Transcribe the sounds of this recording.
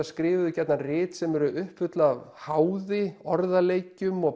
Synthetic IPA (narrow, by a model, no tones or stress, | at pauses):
askɾɪːvʏðʏcɛt̪narɪːt̪sɛmɛɾʏʔʏhpfʏt̪laavhawðɪɔɾðaleːjcʏmɔɣ